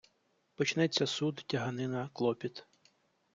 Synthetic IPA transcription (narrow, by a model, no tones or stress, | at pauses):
pɔt͡ʃnɛt͡sʲːɐsud̪tʲɐɦɐnɪnɐklˠɔpʲit̪